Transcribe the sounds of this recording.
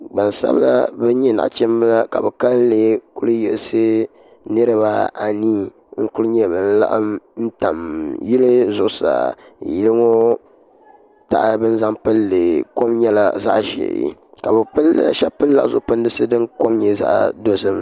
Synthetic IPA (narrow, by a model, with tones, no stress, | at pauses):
ɡ͡ba˨n˨sa̰˦bla̰˦bɛ˦ɲɛ˦na̰˨ʔt͡ʃɛ˦m˦la˦ka̰˨bɛ˨ka˦ln˦leː˦ku˦lɨ˦jɛ˨lsɨ˦ | nɨ˦ɾɨ˦ba˦a˨niː˦ | ŋ̩˦ku˦lɨ˦ɲɛ˦˨bɨ˨n̩˦la̰˦ʔɨ̰˦mn̩˦ta̰˨mji˦lɨ˦zʊ˨ʔʊ˦sa̰˨ji˦lɨ˦ŋo˦ | ta̰˨ʔbɨ˦n˦za˦mpɨ˦lːɨ˨ko˦mɲɛ˦la̰˨za̰˦ʔʒɛ̰˨ka˨bɛ˨pɨ˦lːʃɛ˦pɨ˦lːa˦˨zʊ̰˨ʔʊ˦˨pɨ˦ndɨ˦sɨ˦dɨ˦ŋko˦mɲɛ˦za̰˦ʔdo˦zɨ˦m